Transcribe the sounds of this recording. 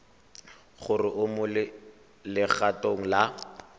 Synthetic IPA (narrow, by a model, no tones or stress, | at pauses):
χʊrɪʔʊmʊlɪ | lɪχatoŋ̩la